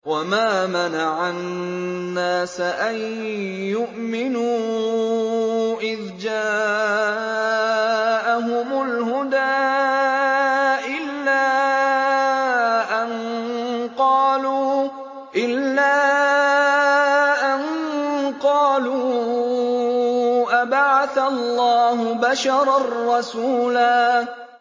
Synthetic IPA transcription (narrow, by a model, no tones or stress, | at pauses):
wamaːmanaʕanː | aːsaʔanjʊʔmɪnuː | ʔɪðd͡ʒaː | ʔaɦʊmʊlhʊd̪aː | ʔɪlːaː | ʔan | qɑːluː | ʔɪlːaː | ʔanqɑːluː | ʔabaʕaθallˤːɑːɦʊbaʃɑɾˤarˤːɑsuːlaː